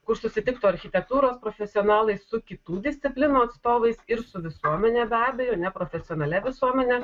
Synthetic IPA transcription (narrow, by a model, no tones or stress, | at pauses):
kʊɾsʊsʲɪt̪ʲɪkt̪oːɐɾʲxʲɪt̪ʲɛk̚t̪uːɾoːspɾɔfʲɛsʲɪɔnɑːlˠɐɪssʊkʲɪt̪uːd̪ʲɪsʲt̪sʲɪpʲlʲɪnuːɐt̪st̪oːʋɐɪsɪɾsʊʋʲɪsuɔmʲɛnʲeːbʲæːbʲɛjoːnʲɛpɾɔːfʲɛsʲɪɔːnɐlʲɛʋʲɪsuɔmʲɛnʲɛ